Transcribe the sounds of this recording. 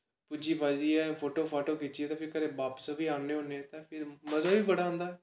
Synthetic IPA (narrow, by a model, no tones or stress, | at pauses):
pʊd͡ʒiːpaːd͡ʒiːɛːpʰoːʈoːpʰaːʈoːkɪt͡ʃːiɛːt̪ãːpʰɪɾkəɾeːbaːpə̥sabiːaːneːɦoːnet̪ãːpʰɪɾməzaːʋiːbəɽãːnd̪aː